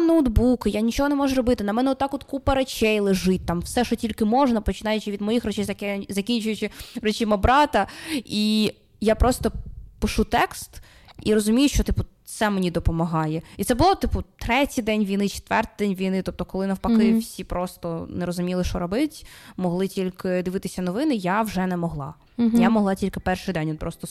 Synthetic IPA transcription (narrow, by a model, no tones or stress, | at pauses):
nowd̪bukɪjanʲit͡ʃɔɦɔnɛmɔʒʊɾɔbɪt̪ɪnɐmɛnɛɔt̪ːɑkɔt̪kupɐɾet͡ʃɛjlˠɪʒɪt̚ʲt̪ɑmwsɛʃɔtʲilʲkɪmɔʒnɐpɔt͡ʃɪnɑjʊt͡ʃɪʋʲid̪mɔjixrɔt͡ʃɛjzɐkʲɛzɐkʲinʲt͡ʃʊjʊt͡ʃɪrɔt͡ʃimɐbɾɑt̪ɐi | japɾʔɔst̪ɔpɪʃut̪ɛkst̪ | iɾɔzʊmʲijʊʃt͡ʃɔt̪ɪpʊt̪sɛmenʲid̪ɔpɔmɐɦɑjɛit̪sɛbʊlˠɔt̪ɪpʊt̪ɾɛtʲijd̪ɛnʲʋʲijnɪt͡ʃɪ̥t̪ʋɛrt̪d̪ɛnʲʋʲijnɪt̪ɔp̚t̪ɔkɔlˠɪnɐwpɐkɪfsʲipɾɔst̪ɔneɾɔzʊmʲilˠɪʃt͡ʃɔɾɔbɪtʲmɔɦlˠɪtʲilʲkɪd̪ɪʋɪt̪ɪsʲɐnɔʋɪnɪjawʒɛnɛmɔɦlˠɑ̰ | jamɔɦlˠɑtʲilʲkɪpɛrʂɪjd̪ɛnʲɔt̪̚pɾɔst̪ɔ